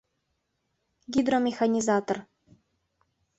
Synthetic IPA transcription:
ɡʲid̪romʲexanʲizat̪or

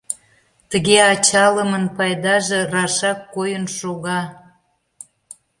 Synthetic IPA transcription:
t̪əɣeɑt͡ɕɑləmənpɑjd̪ɑʒerɑʃɑkːojənʃoɣɑ

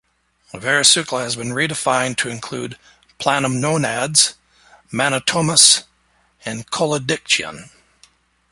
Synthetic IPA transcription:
əvɛɹɨsʉkləɨzbɨ̃nɹidɨfãɪ̃ntʰɨɨ̃nkʰl̥ʉd̚ | pʰl̥ænə̃mnõʊnædz̥ | mænətʰõʊməs | ɨ̃nkʰɔlˠədɪk̚t͡ʃɨ̰̃n

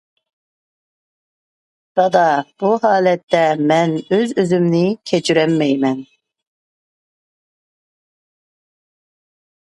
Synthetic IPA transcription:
dɑd̪ɑb̥uhɑːlɛt̪ʰːɛmɛnøzøzymnɪkʲʰet͡ʃʰyɾɛmːɛjmɛn

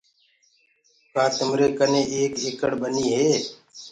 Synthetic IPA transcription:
kaːt̪əmɾeːkəneːʔeːkeːkəɽbəniːɦeː

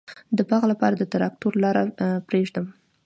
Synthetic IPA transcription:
d̪əbɑɣlapɑɾad̪ət̪ɾɑk̚t̪uɾlɑɾapɾeʐd̪əm

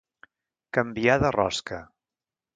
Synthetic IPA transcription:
kəmbiaðərɔ̰skə

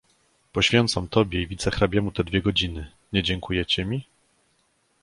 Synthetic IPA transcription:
pɔɕfʲjɛnt̪samt̪ɔbʲjɛivʲit̪sɛxɾabʲjɛmut̪ɛd̪vʲjɛɡɔd͡ʑinɘ | ɲɛd͡ʑɛŋkʰujɛt͡ɕɛmʲi

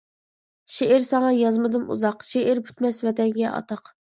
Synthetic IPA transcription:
ʃeʔɪɾsɑŋɑjɑzmɨd̪ɨmṵzɑqʃeʔɪɾpʰy̥t̪mɛsvɛt̪ɛŋɡʲɛʔɑ̰t̪ʰɑq

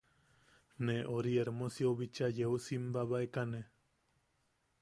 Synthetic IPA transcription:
neʔoɾieɾmosioβit͡ʃajeusimbaβaekane

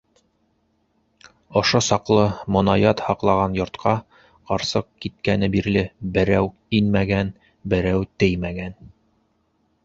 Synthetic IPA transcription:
ŏʃosɑqlˠɤmŏnɑjɑt̪hɑqlˠɑʁɑnjŏɾt̪qʰɑ | qɑɾsɤq̚kit̪̚kænɘbiɾlɘbɘ̆ɾæw | inmæɡæn | bɘ̆ɾæwt̪ɘjmæɡæn

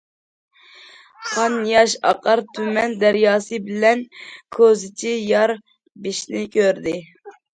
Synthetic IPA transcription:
qʰɑnjɑʃɑ̰qəɾt̪ʰymɛnd̪æɾjɑːsɨbɪlɛnkʰøzɪt͡ʃʰijɑɾ | biʃnɪkʲʰøɾd̪ɪ

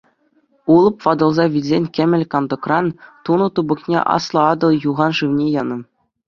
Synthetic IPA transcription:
ulˠɤ̆pʋɑd̪ɤ̆lˠzɑʋʲilʲzʲenʲkʲɘ̆mʲɘ̆lʲkɑnd̪ɤ̆krɑnt̪unɤ̆t̪ubɤ̆knʲḛʔɑ̰slˠɤ̆ɑd̪ɤ̆lˠjuʁɑnʐɯʋnʲejɑnɤ̆

